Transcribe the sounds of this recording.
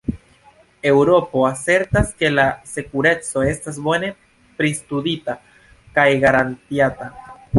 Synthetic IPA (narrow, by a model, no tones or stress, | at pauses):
e̞wɾo̞po̞ase̞ɾtaske̞lase̞kuɾe̞t͡so̞e̞stasbo̞ne̞ | pɾistudita | kajɡaɾantiata